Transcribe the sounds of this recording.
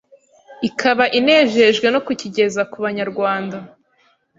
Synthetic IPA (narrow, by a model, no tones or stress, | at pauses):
ikʰaβaʔine̞ːʒe̞ʒɡwe̞no̞kuciɟe̞zakuβaɲaɾɡwaːnda